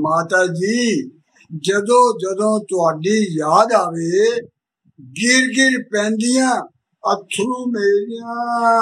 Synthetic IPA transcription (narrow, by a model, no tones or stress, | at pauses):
maːt̪aːd͡ʒiː | d͡ʒəd̪õːd͡ʒəd̪õːt̪ʊaːɖiːjaːd̪aːʋeː | ɡɪɾɡɪɾpɛ̃ːnd̪ɪjãː | ət̪ʰːɾuːmeːɾɪjãː